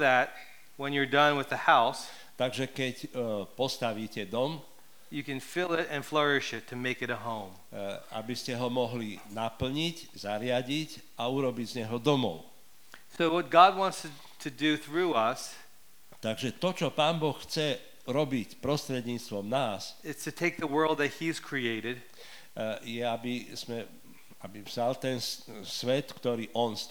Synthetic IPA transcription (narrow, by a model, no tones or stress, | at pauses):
ðɨt̚ | wə̃njə˞dʌ̃nwɨðɨhaʊs | t̪aɡʒɛkɛcpɔst̪aʋiːcɛd̪ɔm | jɨkɨ̃nfɪlˠɪɾɨ̃nflɜ˞ɪʃɪtʰːɨmeɪkɨɾɨɦõʊ̃m | a̰biscɛɦɔmɔɦlinapl̩ɲiczaɾɪaɟic | auɾɔbiɟzɲɛɦɔd̪ɔmɔ̰ʊ | soʊwʌt̚ɡ̥ɑd̚wɑ̃nts | tʰɨdɨθɹuʌs | t̪aɡʒɛt̪ɔt͡ʃɔpaːnbɔxxt͡sɛ | ɾɔbicpɾɔst̪ɾɛd̪ɲiːt͡st̪ʋɔmnaːsɪtstʰɨtʰeɪk̚ðəwɜ˞lˠd̪̚ðɨt̚hiz̥kʰɹ̥ieɪɾɪd̥̚ | jɛabiz̥mɛ | abivzalt̪ɛnsʋɛt̪kt̪ɔɾiːʔɔns